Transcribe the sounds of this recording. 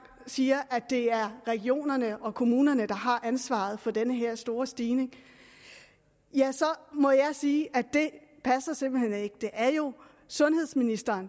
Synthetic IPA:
siːɐʔæd̥e̝æɐʁɛɡ̥io̝̰ːnɐnəʔɒ̽kʰo̝muːnɐnəd̥ɑ̈ɦɑ̈ʔænsʋɑ̰̈ð̞̩ˠfɒ̽d̥enəɦe̝ɐ̰sd̥o̝ːɐsd̥iːne̝ŋ | jæsɒ̽mɒ̽jɑ̈ɪsiːʔæd̥e̝ | pʰæsɐse̝mb̥l̩hene̝ɡ̥əd̥e̝ʔæɐjo̝ | sɔ̽nhe̝ð̞̰ˠsminisd̥ɐːn

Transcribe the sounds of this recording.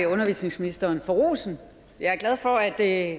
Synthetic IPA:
iɔ̽nɐʋḭːsne̝ŋsminisd̥ɐːnfɒʁo̰ːsn̩ | jɑɐɡ̥lɛð̞ˠfɒ̽æd̥

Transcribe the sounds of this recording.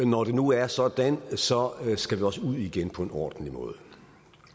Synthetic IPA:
nɒɾ̥e̝nuæɐsɒ̽d̥ænsɒ̽sɡ̥æʋiɒ̽səuð̞̰ˠiɡ̥enpʰɒ̽e̝nɒ̰ːd̥n̩limɔ̽ːð̞ˠə

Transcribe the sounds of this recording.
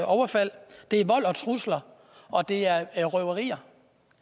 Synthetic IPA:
ʔɒʊɐfæl̰d̥e̝æɐʋɒ̽l̰ɒ̽t͡sʰʁuslɐ | ʔɒ̽d̥e̝æɐʁœʊɐʁḭːɐ

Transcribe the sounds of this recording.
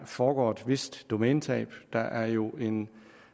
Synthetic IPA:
fɒːɡ̥ɒ̰ːe̝d̥ʋe̝sd̥ːo̝mɛːnt͡sʰɛ̰ːb̥d̥ɑ̈ʔæɐjo̝e̝n

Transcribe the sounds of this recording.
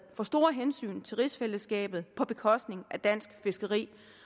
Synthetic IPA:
fɒ̽sd̥o̝ɐɦensy̰ːnt͡sʰe̝ʁisfel̰əsɡ̥ɛ̰ːb̥ð̩ˠpʰɒ̽b̥e̝kʰɒ̽sd̥ne̝ŋʔæd̥æn̰sɡ̥fe̝sɡ̥ɐʁḭː

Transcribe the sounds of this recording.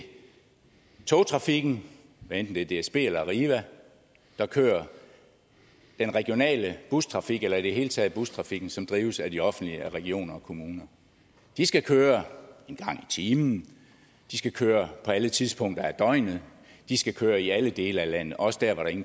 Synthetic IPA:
t͡sʰo̝ːt͡sʰʁɑ̈fiɡ̥n̩ | ʋæend̥n̩d̥e̝æɐd̥e̝esb̥e̝̰ːelɐʁiːʋæ | d̥ɑ̈kʰø̰ːɐ | d̥enʁɛɡ̥jo̝nɛ̰ːləb̥ust͡sʰʁɑ̈fiɡ̥elɐid̥eɦe̝ːlət͡sʰɛ̰ːð̩ˠb̥ust͡sʰʁɑ̈fiɡ̥n̩sɒ̽md̥ʁiːʊsæd̥iɒ̽fn̩d̥liʁɛɡ̥io̝̰ːnɐɒkʰo̝muːnɐ | d̥isɡ̥ækʰøːɐe̝nɡ̥ɑ̈ŋ̰it͡sʰiːmn̩ | d̥isɡ̥ækʰøːɐpʰɒ̽ælət͡sʰiðˠsb̥ɔ̽ŋ̰d̥ɐæɐd̥ɒ̽ɪnð̩ˠ | d̥isɡ̥ækʰøːɐiæləd̥e̝ːlɐælæn̰ð̩ˠɒɒ̽sə̥d̥æɐ̰ɒɾ̥ɑ̈e̝ŋn̩

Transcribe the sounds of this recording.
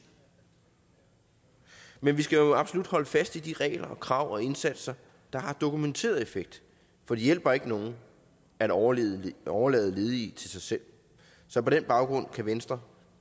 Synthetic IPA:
menʋisɡ̥æjo̝ɑ̈b̥solud̥hɒ̽ləfæsd̥id̥iʁɛ̰ːɪlɐɒkʰʁɑ̈ʊ̰ɒ̽e̝nsæd̥sɐ | d̥ɑ̈hɑ̈d̥o̝kument͡sʰe̝̰ːɐðˠe̝feɡ̥̚d̥ | fɒ̽d̥ijel̰b̥ɐe̝ɡ̥əno̝ːn̩ | æ̥ | ɒʊɐlɛ̰ːð̞̩ˠle̝ːð̞ˠit͡sʰe̝lsɑ̈ɪsel̰ | sɒ̽pʰɒ̽ɾ̥enb̥ɑ̈ʊɡ̥ʁɔ̽n̰kʰæʋensd̥ʁɐ

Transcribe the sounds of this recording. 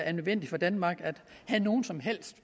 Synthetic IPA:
æɐnøðˠʋen̰d̥ifɒ̽d̥ænmɑ̈ːɡ̥æd̥hæno̝ːn̩sɒ̽mɦel̰sd̥

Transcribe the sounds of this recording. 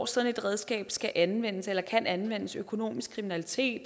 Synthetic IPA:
sɒne̝d̥ʁɛð̞ˠsɡ̥ɛ̰ːb̥sɡ̥æʔænʋen̰əselɐkʰænænʋen̰əsøkʰo̝no̝̰ːmisɡ̥kʰʁiminælit͡sʰe̝̰ːd̥

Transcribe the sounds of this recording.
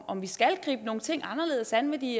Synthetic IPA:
ɒmʋisɡ̥ælɡ̥ʁḭːb̥əno̝ːŋ̩t͡sʰe̝ŋ̰ɑ̈nɐle̝ːðˠsænʋed̥i

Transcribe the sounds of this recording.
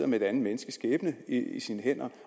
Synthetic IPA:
ɐmee̝ɾ̥ænð̩ˠmenəsɡ̥əsɡ̥eːb̥nəiisiːnəhen̰ɐ

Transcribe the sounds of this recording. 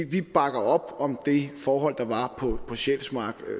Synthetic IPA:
ʋib̥ɑ̈ɡ̥ɐɒ̽b̥ɒ̽md̥e̝fɒːɦɒ̽l̰d̥ɑ̈ʋɑ̈pʰɒ̽pʰɒ̽ɕelsmɑ̈ːɡ̥

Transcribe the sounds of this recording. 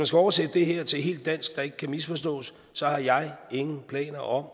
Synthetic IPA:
mænsɡ̥æɒʊɐsed̥əd̥e̝ɦeɐ̰t͡sʰe̝lɦe̝̰ːld̥ːæn̰sɡ̥̚d̥ɑ̈e̝ɡ̥ə̥kʰæmisfɒ̽s̬d̥ɔ̰̽ːsː | ɒ̽hɑ̈jɑ̈ɪe̝ŋn̩pʰlɛ̰ːnɐʔɒ̽m

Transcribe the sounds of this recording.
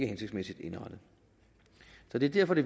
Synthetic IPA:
ɡ̥əhenseɡ̥smesid̥e̝nɑd̥ð̩ˠ | sɒ̽d̥e̝æɐd̥æɐfɒ̽d̥e̝

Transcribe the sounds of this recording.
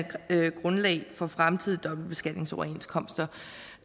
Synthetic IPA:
ɡ̥ʁɔ̽nlɛ̰ɪfɒ̽fʁamt͡sʰið̰ˠd̥ɒ̽b̥l̩d̚b̥e̝sɡ̥æd̥ne̝ŋsɒʊɐe̝nskʰɒ̽m̰sd̥ɐ

